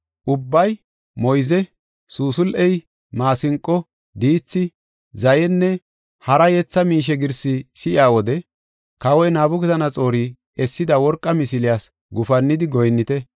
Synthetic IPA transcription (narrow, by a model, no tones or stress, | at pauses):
ʔʊbːɐj | mɔjzɛ | suːsʊlʔɛj | maːsɪŋkʼːɔ | d̪iːt͡sːɪ | zɐjɛnːɛ | hɐɾɐjɛt͡sːɐmiːʃ̬ɛɡɪɾsɪsɪʔɪaːwɔd̪ɛ | kɐwɔjnaːbʊkɛtɐnɐt͡sʼo̞ːɾiː | ɛsːɪd̪ɐwɔɾkʼːɐmɪsɪlɪjaːs | ɡʊfɐnːɪd̪ɪɡɔjnːɪt̪ɛ